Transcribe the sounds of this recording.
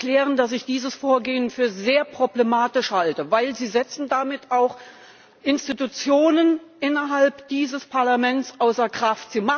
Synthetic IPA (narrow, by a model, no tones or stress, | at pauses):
klɛːʁəndas̬ɪçd̥iːzəsfoːɐɡeːənfyːɐzeːɐpʁ̥oblemaːtɪʃhaltəvaɪlziːzɛt͡sn̩damɪtaʊx | ʔɪnstitut͡sjoːnənʔɪnɐɦalpd̥iːzəspʰaɐlamɛnt͡sʔaʊsɐkʁ̥aftz̥iːma